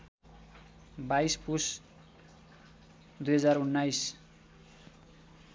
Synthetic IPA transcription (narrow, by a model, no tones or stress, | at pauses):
bajspus | d̪ujɦʌd͡zarunːajs